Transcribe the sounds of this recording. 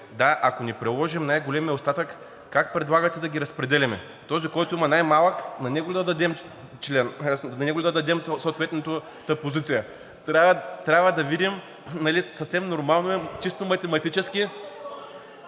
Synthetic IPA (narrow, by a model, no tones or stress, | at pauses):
d̪aʔɐkonipɾɛlˠɔʒimnajɡolʲɛmɛost̪at̪əkː | ak̚pɾɛd̪lˠaɡɐt̪ɛd̪ɐɡʲiɾɐspɾɛd̪ɛlʲɛmɛ | t̪ɔzikɔjt̪ʊimɐnajmalˠəknɐnɛɡolʲɛd̪ɐd̪ɐd̪ɛm | t͡ʃlɛnɐnɛɡolʲɛd̪ɐd̪ɐd̪ɛmssoːt̪vɛt̪nɐt̪o | t̪əpozit̪sijə | t̪ɾʲavət̪ɾʲabvɐd̪ɐvid̪im | nɐlʲisɐfsɛmnoɾmalˠnoɛt͡ʃist̪omɐt̪ɛmɐt̪it͡ʃɛski